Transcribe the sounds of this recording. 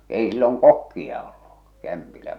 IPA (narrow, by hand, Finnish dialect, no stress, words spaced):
eˑi silːoŋ kokːiɑ olːu kæmpilæ